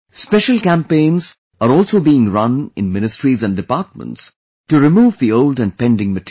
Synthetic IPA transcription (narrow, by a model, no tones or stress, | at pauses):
spɛʃəlkæ̃mpẽɪ̃nz | əɾɔːlˠsobiɪ̃ŋɹʌ̃nɪ̰̃nmɪ̃nɨstɹizæ̃ndɨpaɾt̚mə̰̃nts | tuɾɪmuːvðioʊldɨ̃n̚pɛ̃ndɪ̃ŋmɨt